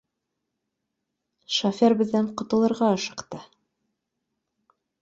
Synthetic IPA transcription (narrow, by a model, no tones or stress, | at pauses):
ʃɐfʲæɾbɘ̆ðːæɴqŏt̪ɤ̆lˠɤ̆ɾʁɑɤ̆ʃɤ̥̆qt̪ɤ